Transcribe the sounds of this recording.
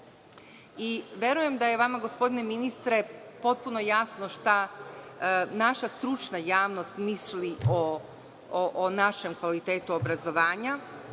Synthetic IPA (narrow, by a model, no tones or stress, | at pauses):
iʋjeɾuje̞md̪aje̞ʋamaɡo̞spo̞d̪ine̞minist̪ɾe̞po̞t̪̚puno̞jasno̞ʃt̪a | naʃast̪ɾut͡ʃnajaːʋno̞st̪misliʔo | ʔːnaʃe̞mkʋalit̪e̞ːt̪uobɾazo̞ʋaːɲa